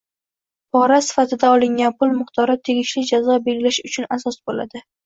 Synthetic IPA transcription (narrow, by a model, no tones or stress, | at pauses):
pʰɒɾasɪ̥fat̪ʰɪd̪aɒlˠɪŋɡʲanpʰʊlˠmʊχt̪ʰɒɾɪt̪ʰe̞ɡʲɪʃlɪd͡ʒazɒbe̞lɡʲɪlaʃʊt͡ʃʰʊnasɒsbolad̪ɪ